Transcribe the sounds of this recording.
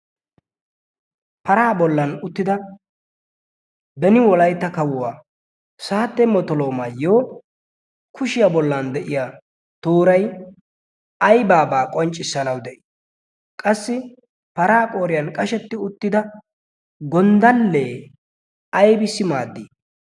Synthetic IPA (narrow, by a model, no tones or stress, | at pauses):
pɐɾaːbɔlːɐnʊt̪ːɪd̪ɐ | bɛnɪwɔlɐjt̪ːɐkɐwʊwaː | saːt̪ːɛmɔt̪ɔlo̞ːmaːjoː | kʰʊʃɪjabɔlːɐnd̪ɛʔɪjaː | t̪oːɾɐj | ɐjbaːbaːkʼɔnt͡ʃʼːɪsːɐnɐwd̪ɛʔɪ̥ | kʼɐsːɪ | pɐɾaːkʼoːɾɪjɐnkʼɐʃɛt̪ːɪʊt̪ːɪd̪ɐ | ɡɔnd̪ɐlːeː | ɐjbɪsɪmaːd̪ːi